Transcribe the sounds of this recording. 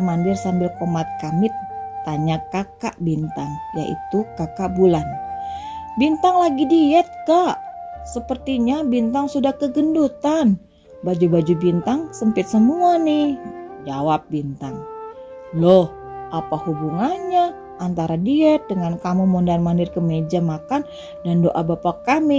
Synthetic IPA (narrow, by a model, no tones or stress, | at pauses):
mandɪrsambɪlkomat̪̚kamɪt̪̚ːaɲakaka̰ʔbint̪aŋja̰ʔḭt̪ukakaʔbulan | bint̪aŋlaɡidiɛt̪̚kaʔsəpərt̪iɲabint̪aŋsudahkəɡəndut̪an | bad͡ʒubad͡ʒubint̪aŋsəmpɪt̪̚səmuanɪhd͡ʒawap̚bint̪aŋ | lɔh | ʔapahubuŋanɲaː | nt̪aɾadiɛt̪̚dəŋankamumundanmanɪrkəmed͡ʒamakan | dandoʔabapakami